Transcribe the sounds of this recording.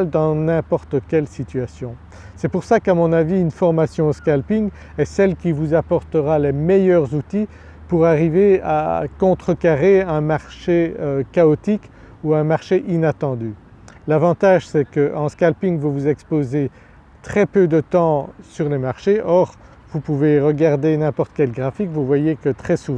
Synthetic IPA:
ld̪ɑ̃nɛ̃pɔʁt̪əkʲɛlsit̪yasjɔ̃ | sɛpuʁsakamɔ̃naviynfɔʁmasjɔ̃skalpiŋ | ɛsɛlkʲivuzapɔʁt̪əʁalemɛjœʁzut̪i | puʁaʁivea̰kɔ̃t̪χəkaʁeɛ̃maʁʃeøkaɔt̪ik | uɛ̃maʁʃeʔinat̪ɑ̃d̪y | lavɑ̃t̪aʒsɛkəʔɑ̃skalpiŋvuvuzɛkspoze | t̪χɛpød̪ət̪ɑ̃syʁlemaʁʃeʔɔʁ | vupuveʁəɡaʁd̪enɛ̃pɔʁt̪ə̥kʲɛlɡʁafikvuvwajekət̪χɛsuṽ

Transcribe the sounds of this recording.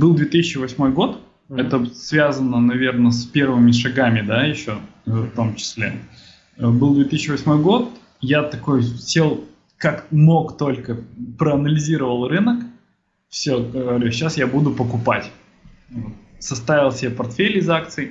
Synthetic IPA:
bɨlˠd̪vʲet̪ɨsʲɪt͡ɕɪvɐsʲmo̞jɡo̞t̪ | ɛt̪əsvʲazənənɐvʲe̞rnəspʲe̞rvɨmʲɪʂɐɡamʲɪd̪ajɪɕːo̞ft̪o̞mt͡ɕɪ̥sʲlʲḛ | əbɨlˠd̪vʲet̪ɨsʲɪt͡ɕːɪvɐsʲmo̞jɡo̞t̪̚ | jat̪ɐko̞jsʲe̞lˠ | kakmo̞kt̪o̞lʲkəpɾəɐnəlʲɪzʲiɾəvəlˠrɨnək | fsʲoəɾʲuɕːasjabud̪ʊpəkʊpatʲ | vot̪sɐst̪avʲɪlˠsʲɪepɐrt̪fʲelʲɪːzakt̪sɨj

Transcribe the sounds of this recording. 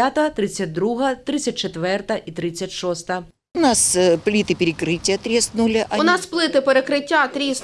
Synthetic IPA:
at̪ɐt̪ɾɪt͡sʲːɐt̚ʲd̪ɾuɦɐt̪ɾɪt͡sʲːɐt̚ʲt͡ʃet̪ʋɛrt̪ɐʔit̪ɾɪt͡sʲːɐtʲʃɔst̪ɐ | ʊnasplʲit̪ɪpʲɪɾʲɪkɾɪtʲɪjɐt̪ɾʲesnulʲɪʔɐʊnɑsplˠɪt̪ɪpeɾekɾɪtʲːat̪ɾʲis

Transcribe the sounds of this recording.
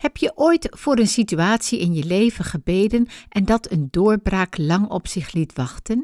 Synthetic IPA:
hɛpjəʔojtfʊːɾənsityaːtsiɪnjəlejvənχəbejdənʔɛndɑtəndʊːɹbraːklɑŋɔpsɪχlitʋɑχtən

